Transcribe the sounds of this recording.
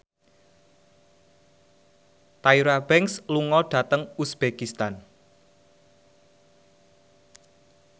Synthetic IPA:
t̪aiɾab̥ɛŋksluŋɔɖ̥a̤t̪əŋusb̥ekist̪an

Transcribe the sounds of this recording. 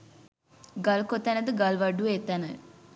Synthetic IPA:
ɡɐlkot̪ːanɐd̪ɨɡɐlʋɐɖueːt̪ːanɐ

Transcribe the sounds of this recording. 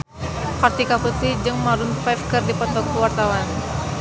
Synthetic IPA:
part̪ikaput̪id͡ʒɨŋmaɾunfɛfkɨrdipɔt̪ɔkuwart̪awan

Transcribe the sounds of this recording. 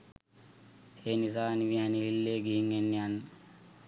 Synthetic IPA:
heːnizaːniʋianililːeɡiiŋenːian

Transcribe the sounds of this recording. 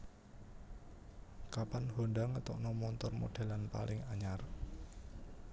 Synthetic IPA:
kapanhondaŋət̪ɔʔnɔmɔnt̪ɔrmo̰ɖ̥a̤lanpa̰lɪŋaɲar

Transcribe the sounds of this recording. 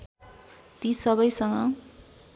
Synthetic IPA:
t̪isʌβʌjsʌŋʌ

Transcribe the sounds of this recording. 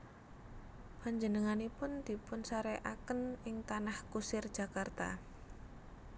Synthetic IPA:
paɲd͡ʒənəŋanipʊnd̪̥i̤pʊnsaɾeʔakənɪŋt̪anahkusɪrd̥ʒ̥a̤kart̪a̰

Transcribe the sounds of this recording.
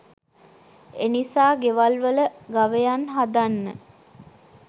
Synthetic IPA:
enisaːɡeʋalʋələɡaʋəjanɦad̪anːə

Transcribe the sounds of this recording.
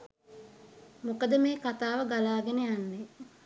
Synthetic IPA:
mokəd̪əmeːkat̪aːʋəɡalaːɡenejanːe

